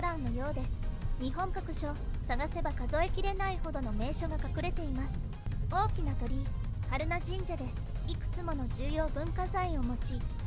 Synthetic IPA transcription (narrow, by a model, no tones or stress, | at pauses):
oɾãnːo̞jo̞ːd̪e̞sɨ̥ɲ̟iɦõ̞ŋkakɯ̟ɕo̞saɡase̞bakazo̞e̞kʲiɾe̞naiho̞d̪o̞no̞me̞ːɕo̞ɡakakɯ̟ɾe̞t̪e̞imasɨ̥ | o̞ːkʲinat̪o̞ɾʲihaɾɯ̟naʑĩɲ̟d͡ʑad̪e̞sɨ̥ikɯ̟̥t͡sɨmo̞no̞d͡ʑɨːjo̞ːbɯ̟̃ŋkazaĩo̞mo̞t͡ɕi